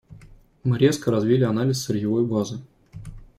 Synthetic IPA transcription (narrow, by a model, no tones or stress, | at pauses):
mɨɾʲeskəɾɐzvʲilʲɪɐnalʲɪssʲɪrʲjɪvojɡˠazɨ